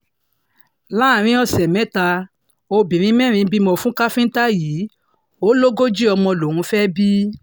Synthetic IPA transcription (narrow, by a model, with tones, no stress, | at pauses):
la˦˨ɾ̃ĩ˧˦ɔ˦˧˨sɛ˨mɛ̃˨˦ta˧ | o˧bĩ˨ɾ̃ĩ˧˦mɛ̃˦˨ɾ̃ĩ˧˦bi˦mɔ̃˧fũ˦ka˦fĩ˦n̩˦ta˦jiː˨˦ | o˦lo˦ɡo˦d͡ʒi˦ɔ˧mɔ̃˧lõ˨ũ˧˦fɛ˦bi˦